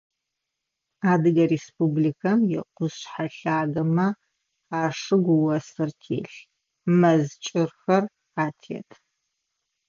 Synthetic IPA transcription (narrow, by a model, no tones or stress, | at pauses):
aːdɨɡɐrespublikʰɐmjɛ̰qʷʊsħaɬaːɡɐmɐ | aːʂɨɡʷwɐsɨrtʰḛːɬ | mɐzt͡ʃʼɪrxɐr | aːtʰɛ̰tʰ